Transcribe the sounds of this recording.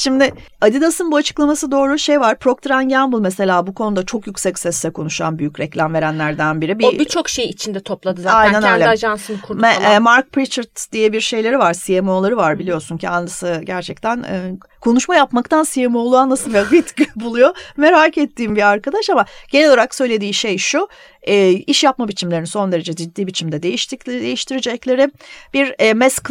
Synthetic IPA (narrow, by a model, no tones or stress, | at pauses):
ʃimd̪ɪad̪id̪asɯnbuat͡ʃʰɯ̥klˠamasɯd̪o̞ːɾuʃejvaɾpɾo̞k̚t̪ʰɾanɟæmbɯlˠmese̞lʲaːbukʰo̞nud̪at͡ʃʰo̞kjycsɛcsɛsːɛkʰonuʃa̰nbyjycɾɛclʲæmve̞ɾænlʲæɾd̪ænbiɾibibit͡ʃʰo̞kʃejit͡ʃʰind̪ɛt̪ʰo̞plˠad̪ɯzaajnænøjlʲaʒansɯnkʰuɾd̪ɛɛːmaɾk̚pɾit͡ʃaɾt̪d̪ijɛbiɾʃe̞jlʲe̞ɾivaɾsijemo̞ːlˠaɾɯvaɾbilʲijo̞suncʰianˠasɯɟæɾt͡ʃʰɛct̪ʰænɛː | kʰo̞nuʃmajapmakt̪ʰansijemolˠuanlˠasɯnjait̪cibulˠujome̞ɾaːkɛt̪ʰːiːmbiaɾkad̪aʃamaɟ̥e̞neloaɾaksø̞jlʲe̞d̪iːʃejʃu | ɛːiʃjapmabit͡ʃʰimlʲe̞ɾiniso̞nd̪e̞ɾed͡ʒɛd͡ʒid̪ːiːbit͡ʃʰimd̪ɛd̪e̞jiʃt̪ʰicd̪ejiʃt̪ʰiɾid͡ʒɛclʲe̞ɾɪb̥iɾːmɛsk